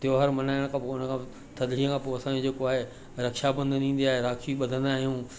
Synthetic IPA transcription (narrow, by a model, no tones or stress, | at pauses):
t̪iɦoɦɐɾmɐnaːɪɽ̃kʰãːpoʊnəkʰãː | t̪ʰɐd̪ʱɽijə̃kʰãːpoːɐsãːɲd͡ʑed͡ʑeːkoaːɦe | ɾɐkʃabɐ̃nd̪nĩːn̆d̪iaːɦeɾaːkʰiɓɐd̪ʱə̃nd̪aːɦijũː